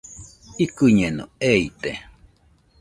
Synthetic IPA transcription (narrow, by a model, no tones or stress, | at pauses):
ikɨɲenõ̰eit̪e